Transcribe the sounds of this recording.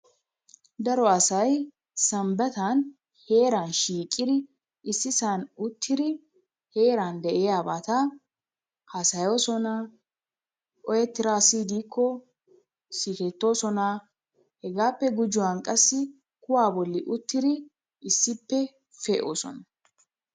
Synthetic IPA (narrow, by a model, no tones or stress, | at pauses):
d̪ɐɾɔɐsɐj | sɐmbɐt̪an | he̞ːɾanʃiːkʼːɪd̪ɪ | ɪsːɪsanʊt̪ʰːɪd̪ɪ | he̞ːɾand̪ɛʔɛjaːbaːt̪ɐ | hɐsɐjoːsɔna | ʔɔjɛt̪ːɪɾaːsiːd̪iːkʰːɔ | siːkɛt̪ːo̞ːsɔna | hɛɡaːpːɛɡʊd͡ʒʊwaːnkʼɐsːɪ | kʊwaːbɔlːɪʔʊt̪ːɪd̪ɪ | ɪsːɪpːɛ | fɛːʔoːsɔ̰nɐ